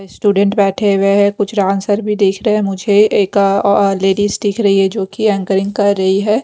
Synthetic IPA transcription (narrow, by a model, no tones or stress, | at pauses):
sʈuːɖə̃ɳʈbɛːʈʰeʋeɦɛkʊt͡ʃʰɾaːnsəɾbʱid̪eːkʰɾɐɦẽmʊd͡ʒʱeeːkleːɖiːsʈiːkʰɾɐɦiɦɛd͡ʒoːkiɛ̃ːŋkəɾɪ̃ŋɡkɐɾːɐɦiɦɛː